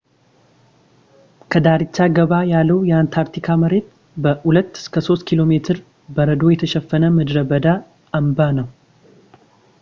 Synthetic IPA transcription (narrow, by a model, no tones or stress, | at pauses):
kʰəd̪aɾɨt͡ʃːaɡəβajalːəwjɛant̪ʰaɾt̪ʰikʰaməɾe̞t̪̚ | bəhulət̪ːɨ̥skʰəso̞st̪kʰilo̞me̞t̪ʰɨɾ | bəɾəd̪o̞jɛt̪ʰəʃɛfːənəmɨd̪ɾəbəd̪a | əmbanəw